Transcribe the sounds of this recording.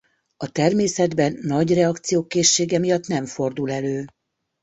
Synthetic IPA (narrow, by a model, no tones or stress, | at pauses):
ɒt̪ɛrmeːsɛd̪bɛnːɒɟrɛɒkt̪sijoːkeːʃːeːɡɛmijɒt̪nɛɱfo̞rd̪ulɛløː